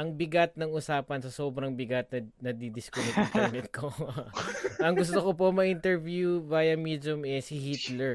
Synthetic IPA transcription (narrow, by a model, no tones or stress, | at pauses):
ʔɐŋbɪɡɐt̪̚nɐŋʊsaːpɐnsɐsoːbɾɐŋbɪɡɐt̪̚nɐnɐd̪id̪ɪskonɛk̪ɐɐmɛt̪̚ko | ʔɐŋɡʊst̪okop̬omɐʔɪnt̪ɛɹvjuvajɐmid̪jʊmɛsɪhit̪lɛɹ